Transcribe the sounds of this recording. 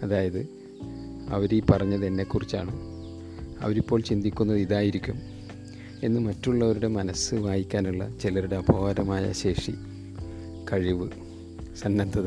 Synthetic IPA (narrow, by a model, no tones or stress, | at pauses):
ɐðaːjɐðɨ | ɐ̰ʋɐɾilpɐrɐɲːɐðenːe̞kːurit͡ɕːa̰ːɳɨ | ɐ̰ʋɐɾipːo̞ːɭt͡ɕind̪ikʲːunːɐðiðaːjiɾikʲːum | e̞nːɨmɐtːuɭːɐʋɐɾuɽe̞mɐnɐsɨʋaːjikʲːaːnuɭːɐ̰t͡ɕilɐɾuɽe̞ɐbʱoʋɐɾɐmaːjɐ̰ɕe̞ːʂi | kɐɻiʋɨ | sɐnːɐnd̪ʱɐð